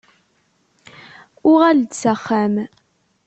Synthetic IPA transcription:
ʊʁald̪səχːæm

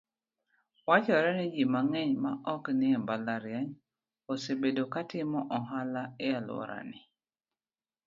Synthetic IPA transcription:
wat͡ʃɔɾɛnɪd͡ʒimaŋɛɲmaʔɔknɪɛmbalaɾjaɲ | osebedokatɪmɔʔɔɦalaɛalwɔ̰ɾa̰nɪ

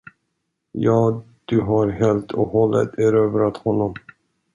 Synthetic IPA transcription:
jɑː | d̪̥ɵɦɑɾɦeːlt̪ʰɔhɔlːə̰t̪ʰæɾøːvɾat̪hɔnːɔm

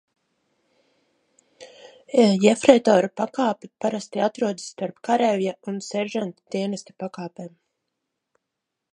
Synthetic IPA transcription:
jɛfɾejt̪ɔːɾupakaːpipaɾast̪iat̪ɾuɔd̪sːt̪aɾpkaɾɛvjaunsɛɾʒant̪d̪̥ʲiɛnesʲt̪ʲu̥pakaːpeːm

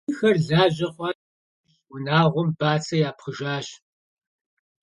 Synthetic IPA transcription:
xɐrɮaːʑɐχʷɑ | wʊnaːʁʷɔmbaːt͡sʰɐjaːpχəʒaːɕ

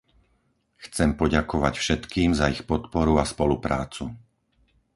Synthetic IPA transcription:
xt͡sɛmpɔɟakɔʋacfʃɛt̪kiːmzaixpɔt̪pɔɾuaspɔlupɾa̰ːt͡su

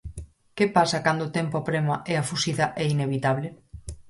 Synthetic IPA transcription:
kepasakand̪ot̪empoapɾemaʔɛafusiðɐʔɛineβit̪aβle

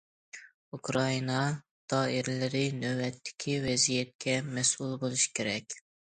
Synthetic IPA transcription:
ukɾɑinɑ | d̪̥ɑːɪɾlɪɾɪnøwbɛt̪ʰːɪ̥kʲʰivɛzijɛt̪̚kʲʰɛmɛsulˠbolˠuʃi̥kʲʰeɾɛkʲ

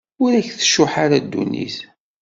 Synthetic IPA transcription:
ʊɾæçθə̥ʃːʊħaɾad̪ːṵnːḭθ

